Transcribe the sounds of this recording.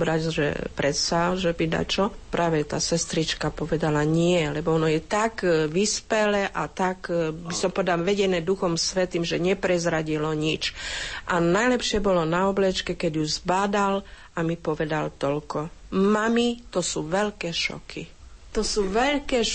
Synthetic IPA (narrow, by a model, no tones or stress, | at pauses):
bɾazʒɛ̰pɾɛt̪saʒɛbid̪a̰t͡ʃɔpɾaːʋɛt̪aːsɛst̪ɾit͡ʃkapɔʋɛd̪alaɲɪɛlɛbɔɔnɔjɛt̪aɡʋispɛlɛʔat̪akbisɔmpɔʋɛd̪alʋɛɟɛnɛːd̪uxɔmsʋɛt̪iːmʒɛɲɛpɾɛzɾaɟilɔɲit͡ʃʔanajlɛpʃɪɛbɔlɔnaɔblɛt͡ʃkɛkɛɟjuzbad̪al | amipɔʋɛd̪alt̪ɔʎkɔmamit̪ɔsuːʋɛʎkɛːʃɔ̰kʰi | t̪ɔsuːʋɛʎkɛː